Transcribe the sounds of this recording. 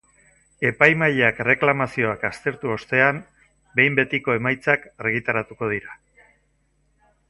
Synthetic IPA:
e̞pajmaʎakre̞klamasio̞akast̪e̞ɾt̪uo̞st̪e̞am | be̞jmbe̞t̪iko̞e̞majt͡sakaɾɣit̪aɾat̪uko̞ð̞iɾa

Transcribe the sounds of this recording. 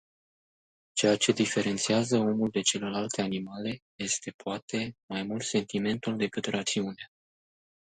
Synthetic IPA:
t͡ʃe̞jat͡ʃe̞d̪ife̞ɾe̞nt̪siazəo̞muld̪e̞t͡ʃe̞le̞lalt̪e̞animale̞je̞st̪e̞poat̪e̞majmult̪se̞nt̪ime̞nt̪uld̪e̞kɨt̪rat̪siunea

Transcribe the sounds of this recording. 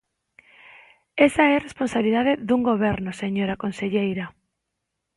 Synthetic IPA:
esaɛresponsaβiliðaðeðuŋɡoβ̞ɛɾnʊseɲoɾakonseʎejɾa

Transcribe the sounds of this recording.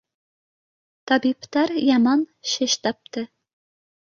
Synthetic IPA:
t̪ɑbipt̪æɾjɑmɑnʃɘʃt̪ɑp̚t̪ɤ

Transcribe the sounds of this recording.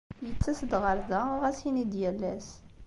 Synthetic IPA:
jət͡sːæsəd̪ʁəɾðæʊʁæsinid̪jælːæs

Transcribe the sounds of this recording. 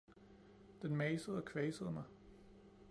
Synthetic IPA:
d̥enmɛɪsəð̩ˠɒ̽kʰʋɛːsəð̞̩ˠmɑ̈ɪ

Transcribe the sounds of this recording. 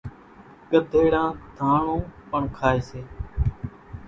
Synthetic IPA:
ɠəd̪ʱeːɽãːd̪ʱãːɳõːpəɳkʰaːeːseː

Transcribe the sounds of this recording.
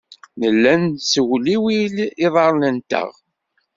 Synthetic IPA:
nəlːænsəwliwiliðˤɑɾˤnənt̪ə̰ʁ

